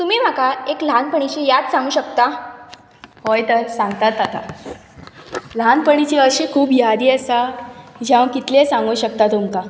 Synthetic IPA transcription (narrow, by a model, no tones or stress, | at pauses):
t̪umiːm̤akaeklanpəɳ̃it͡ɕejat̪sãŋɡuːɕəkt̪a | hojt̪əɾsãŋɡt̪at̪ːat̪a | lanpəɳ̃it͡ɕiəɕikʰuːpjad̪iːəsad͡ʑaʋə̃kit̪lesãŋɡuːɕək̚t̪at̪umka